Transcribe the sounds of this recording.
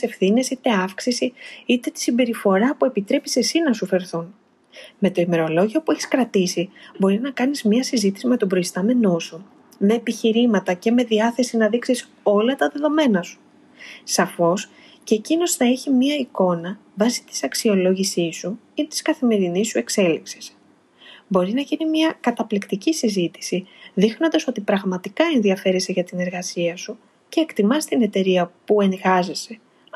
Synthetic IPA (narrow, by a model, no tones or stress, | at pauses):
se̞fθine̞sit̪e̞ɐfksisiit̪e̞t̪i̥simbe̞ɾifo̞ɾɐpue̞pit̪ɾe̞pi̥se̞sinɐsufe̞ɾθun | me̞t̪o̞ime̞ɾo̞lo̞ʝio̞pue̞çi̥skɾɐt̪isibo̞ɾinɐkɐnizmɲɐsizit̪i̥sime̞t̪o̞bɾo̞ist̪ɐme̞no̞su | me̞ːpiçiɾimɐt̪ɐce̞me̞ðiɐθe̞sinɐðiksis | o̞lɐt̪ɐðe̞ðo̞me̞nɐsu̥ | sɐfo̞s | cecino̞sθɐeçimiɐiko̞nɐvɐsi̥t̪i̥sɐksio̞lo̞ʝisisu | it̪i̥skɐθime̞ɾinisue̞kse̞liksi̥s | bo̞ɾinɐʝinimiɐkɐt̪ɐplikt̪icisizit̪i̥siðixnond̪ɐso̞t̪ipɾɐɣmɐt̪ikɐe̞nðiɐfe̞ɾiseʝɐt̪ine̞ɾɣɐsiɐsu | ce̞ːkt̪imɐst̪ine̞t̪e̞ɾiɐpue̞ŋɣɐzese̞